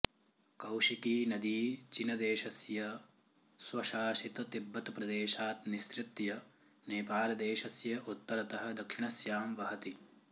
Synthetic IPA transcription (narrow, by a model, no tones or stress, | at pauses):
kɐwʂik̪iːnɐd̪iːt͡ʃinɐd̪eːʃɐsjɐ | swɐʃaːʃit̪ɐt̪ibːɐt̪pɾɐd̪eːʃaːt̪nist̪ɾɪt̪jɐ | neːpaːlɐd̪eːʃɐsjɐʔut̪ːɐɾɐt̪ɐɦɐ̆d̪ɐkʂiɳɐsjaːmʋɐɦɐt̪i